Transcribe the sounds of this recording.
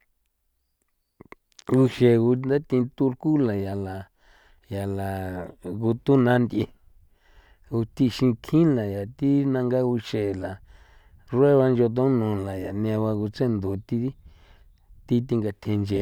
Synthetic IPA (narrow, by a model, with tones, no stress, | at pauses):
u˧ʃe˨ɣu˧nd̪a˦t̪ĩ˧t̪u˧ɾku˦la˨ja˨la˨ | ja˨la˨ɣu˧t̪u˦nã˧˦nd̪ʲʔi˧ | u˧t̪i˧ʃĩ˧kʰĩ˦la˨ja˨t̪i˦nã˧ŋɡa˦u˧ʃe˨la˨ | rwe˦βa˧nd͡ʒo˧t̪̬õ˦nũ˨la˨ja˨nĩ˧a˧βa˧ɣu˧t͡se˦˨nd̪u˨t̪i˧˦ | t̪i˦t̪̬i˧ŋɡa˧t̪ʰẽ˧nd͡ʒe˨